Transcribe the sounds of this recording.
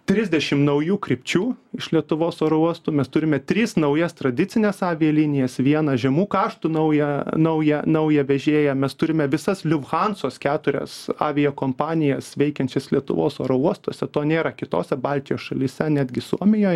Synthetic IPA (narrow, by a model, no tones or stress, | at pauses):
t̪ʲɾʲɪzʲd̪ʲɛʃʲɪmnɐʊjuːkɾʲɪpʲt͡ʃʲuːɪʃlʲiɛt̪ʊʋoːsoːɾouɔst̪uːmʲɛst̪ʊɾʲɪmʲɛt̪ʲɾʲiːsnɐʊjɛst̪ɾɐd̪ʲɪtt͡s̪ʲɪnʲeːsɑːʋʲɪjɛlʲinʲɪjɛsʋʲiɛnɐʒʲɛmuːkɑːʃt̪unɐʊjɛnɐʊjɛnɐʊjɛʋʲɛʒʲeːjɛmʲɛst̪ʊɾʲɪmʲɛʋʲɪsɐslʲʊʋxɑnsoːskʲæːt̪ʊɾʲɛ̰sɑ̰ːʋʲɪjoːkoːmpɑːnʲɪjɛsʋʲɛɪkʲɛnʲt͡ʃʲɛslʲiɛt̪ʊ̰ʋo̰ːso̰ːɾouɔst̪oːsʲɛt̪oːnʲeːɾɐkʲɪt̪o̰ːsʲɛbɑlʲt̪ʲɪjoːsʃɐlʲiːsʲɛnʲæːd̪ʲɡʲɪsuɔmʲɪjoːj